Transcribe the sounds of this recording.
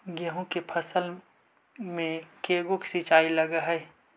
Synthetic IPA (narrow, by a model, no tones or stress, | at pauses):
ɡəɦõkepʰɐsəl | mẽkeːɡʊkʰsit͡ʃaːiləɡaɦɛː